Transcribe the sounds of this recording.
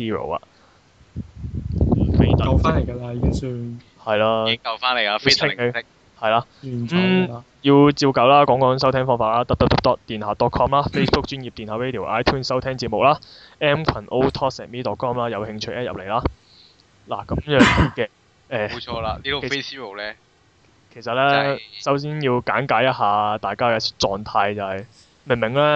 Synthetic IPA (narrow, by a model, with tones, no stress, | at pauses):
siː˥ɹo̰˨˩wɐ̰˨˩ | kʰe˨˧˩t̪ɐ˨ɐ˨˧wfaː˥ne˨˩jɡɐ˧la˧jyː˧ | hɐ˨jlaː˧ɪ˥ɐ˨wfaː˥ne˨˩a˧fʰɪ˥˨˧ | hɐ˨jlaː˧˨˩m̩˥˧ | jiː˧wt͡siː˧wkɐ˨˧wlaː˥kɔː˨˥ŋkɔː˨˧jŋsɐ˥wt̪ʰɛː˥ŋfɔː˥ŋfaː˨tlaː˥t̪ɐ˥p̚t̪ɐ˥p̚t̪ɐ˥p̚t̪ɔː˥k̚t̪iː˨nhaː˨˧t̪ɔː˨˥kʰɔː˥mlaː˥fe˥sbʊ˥k̚t͡ʃyː˥nji˨p̪̚iː˨nhɐ˨˧˥we˥t̪i˨˩ʔaː˥jt̪ʰuː˥nsɐ˥wt̪ʰɛː˥ŋt͡siː˧t̚mʊ˨k̚laː˥ | ɛː˥mkʰɐ˨˩nʔo˥wt̪ʰɔː˥sɛː˨t̚miː˥t̪ɔː˨t̚kʰɔː˥mlaː˥jɐ˨˧whɪ˧ŋt͡ʃʰɵ˧jʔɛː˥jɐ̰˨p̚le˨˩jlaː˥ | la̰ː˨˩kɐ˨˥mjœː˨˧ŋkɛ˧ | ɛː˧ɔː˧la˧iː˥o˨e˥si˥o˨˩wlɛ˦˥ | kʰe˨˩jsɐ˨t̚lɛː˥sɐ˨˥ws̬iː˥njiː˧wkaː˨˥ŋkaː˨˥jɐ˥t̚haː˨t̪aː˨jkaː˥kɛː˧t͡sɔː˨ŋt̪ʰaː˧jt͡sɐ˨whɐ˨˩j | me˨˩ŋmɪ˨˩ŋlɛː˥